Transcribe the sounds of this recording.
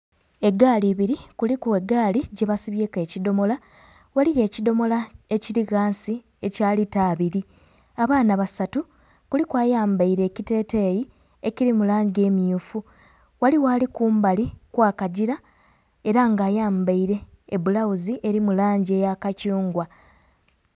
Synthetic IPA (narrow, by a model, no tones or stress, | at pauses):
e̞ɡaːliβiɾikulikue̞ɡaːliɟe̞βasiβjeːke̞ːcido̞mo̞la | waliɣe̞ːcido̞mo̞lae̞ciɾiɣaːnsi | e̞caːlitaːβiɾi | aβaːnaβasatu | kulikwaːjaːmbaiɾe̞ːcite̞ːteji | e̞ciɾimulaːɲɟe̞ːmjuːfu | waliwaːlikuːmbalikwaːkaɟiɾa | e̞ɾaŋɡaːjaːmbaiɾe̞ː | bulawuziʔeɾimulaːɲɟe̞ːjakacuːŋɡwa